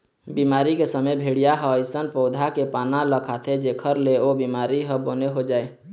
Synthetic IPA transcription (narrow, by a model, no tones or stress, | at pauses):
bimaɾikesəməjbʱeɽijaɦəəɪsənpəʊd̪ʱakepanaləkʰat̪ʰed͡ʒekʰəɾleobimaɾiɦəboneɦod͡ʒaːe